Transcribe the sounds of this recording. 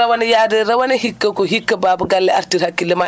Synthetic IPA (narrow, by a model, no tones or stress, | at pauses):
ɐwɐnejadɐɾɐwɐnɐhikːɐkoɦikːɐbaːbuɡalːɐaɾtiɾhakːilːɐma